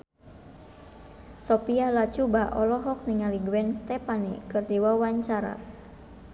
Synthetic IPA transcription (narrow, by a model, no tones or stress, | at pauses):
sɔpialat͡ʃubaʔɔlɔɦɔk̚niŋaliɡuwɛnst̪ɛpanḭkɨrdiwawaɲt͡ʃaɾa̰